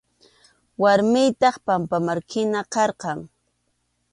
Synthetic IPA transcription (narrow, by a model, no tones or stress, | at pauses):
waɾmɪjt̪ɑχpampamaɾkʰɪnaqɑɾqɑŋ